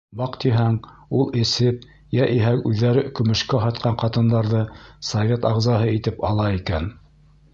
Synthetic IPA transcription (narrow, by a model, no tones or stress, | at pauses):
bɑqt̪iɦæŋulˠɘ̆sɘp̚ | jæʔiɦækʉðːæɾɘkɵ̆mɘ̆ʃkæɦɑt̪̚qʰɑɴqɑt̪ɤ̆nd̪ɑɾðɤsɐvʲet̪ɑʁzɑɦɤit̪ɘpɑlˠɑikæn